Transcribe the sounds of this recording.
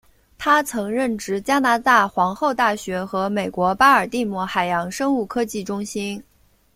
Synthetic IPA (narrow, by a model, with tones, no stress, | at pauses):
t̪ʰa˥t͡sʰɤ˧˥ŋɻə˥˩nʈ͡ʂɻ̩˧˥t͡ɕja˥na˧˥t̪a˥˩xwɑ˧˥ŋxo˥˧ʊt̪a˥˩ɕɥɛ˧˥xɤ˧˥me˨˩ɪkwɔ˧˥pa˥ə˞˨˩t̪i˥˧mwɔ˧˩xa˨˩ɪjɑ˧˥ŋʂɤ˥ŋu˥˩kʰɤ˥t͡ɕi˥˩ʈ͡ʂʊ˥ŋɕi˥n